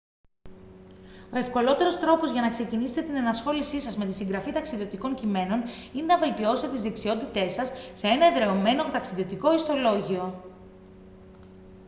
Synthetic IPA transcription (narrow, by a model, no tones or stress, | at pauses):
o̞e̞fko̞lo̞t̪e̞ɾo̞st̪ɾo̞po̞zʝɐnɐkse̞ciniset̪e̞t̪inɐnɐsxo̞lisisɐzme̞t̪isiŋɡɾɐfit̪ɐksiðio̞t̪iko̞ɲcime̞no̞ninenɐve̞lt̪io̞sit̪et̪izðiksio̞t̪it̪e̞sɐsːe̞e̞nɐeðɾe̞ome̞not̪ɐksiðio̞t̪iko̞ist̪o̞lo̞ʝio̞